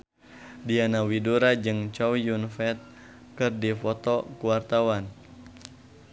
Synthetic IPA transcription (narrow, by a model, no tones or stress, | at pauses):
dianawiduɾad͡ʒɨŋt͡ʃɔwjunfɛt̪̚ | kɨrdifɔt̪ɔkuwart̪awan